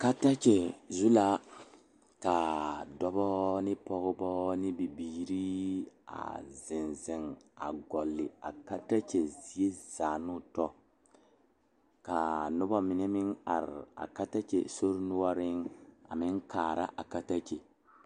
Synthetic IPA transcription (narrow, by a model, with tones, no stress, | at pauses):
ka˦ta˦t͡ʃɛ˨zu˦la˦ | ka˨dɔ˦bɔ˦nɪ˦pɔ˦ɣʊ˦bɔ˦nɪ˦bi˨biː˨ɾi˦a̰˨zɪ˨nzɪ˨ŋa̰˨ɡɔ˨lːɪ̰˨a̰˨ka˦ta˦t͡ʃe˨zi˨e˦z̥aː˨nʊ˦tɔ˦ | ka˨nʊ˦bɔ˦mɪ˨nɛ˦mɪ˦ŋa̰˨ɾɪ̰˨a̰˨ka˦ta˦t͡ʃḛ˨so˦ɾnʊ˦wa˦ɾɪ˦ŋa̰˨mɪ˦ŋ˦kaː˨ɾʔa̰˦ʔa˨ka˦ta˦t͡ʃe˨